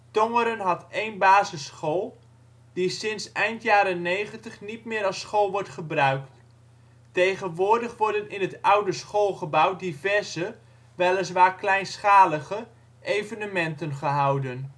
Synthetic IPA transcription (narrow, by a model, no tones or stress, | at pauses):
toŋəɾənɦɑtejnbaːzəsχolˠ | disɪnsɛjntjaːɾənːejχəntəχnitmɪːɾɑsχolˠʋɔɹtχəbrœɥkt | tejχənʋʊːrdəχʋɔrdənɪnɦətʌwdəsχolˠχəbawdivɛrzə | ʋɛlˠəs̬ʋaːklɛjnsχaːləɣə | ʔejvənəmɛntənχəɦawdən